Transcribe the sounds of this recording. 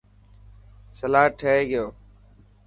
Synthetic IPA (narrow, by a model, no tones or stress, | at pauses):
səlaːɦʈʰəɦeːɡɪjoː